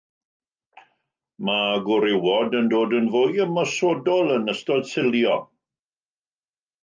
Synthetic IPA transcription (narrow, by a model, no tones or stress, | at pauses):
maɡʊɾɪwɔdəndoːdənvoːjəmɔsodɔlˠənəstɔd̥sɪlˠjɔ